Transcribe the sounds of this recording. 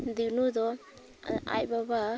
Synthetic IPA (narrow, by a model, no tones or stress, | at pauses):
d̪inud̪ɔ | a̰jbaba